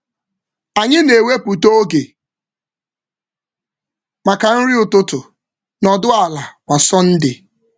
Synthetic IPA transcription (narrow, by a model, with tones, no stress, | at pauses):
a˨ɲɪ˦ne˨we˦pu˨to˦ɡe˨ | ma˨ka˨n̩˦ɾi˦ʊ˨tʊ˦tʊ˨ | nɔ˨dʊ˦a˨la˨ŋa˨sɔ˦n̩˦dɪ˨